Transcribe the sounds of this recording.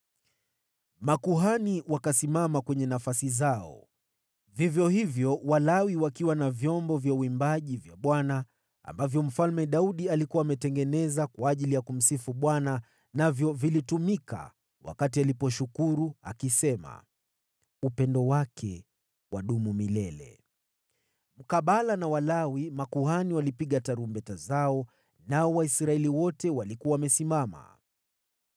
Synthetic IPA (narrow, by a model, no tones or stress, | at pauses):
makuɦaniwakasimamakwɛɲɛnafasizaɔ̰ | vivjɔhivjɔwalawiwakiwanavjɔmbɔvjauimbaʄivjaɓwana | a̰mbavjɔm̩falmɛɗauɗialikuwaːmɛtɛŋɡɛnɛzakwaːʄilijakum̩sifuɓwana | navjɔvilitumika̰ | wa̰katialipɔʃukuɾua̰kisɛma̰ | upɛndɔwakʰɛ | wʔaɗumumilɛlɛ̰ | m̩kaɓalanawalawimakuhaniwalipiɠataɾumbɛtazaɔ | naɔwaisɾaɛliwɔtɛwalikuawːmɛsimama̰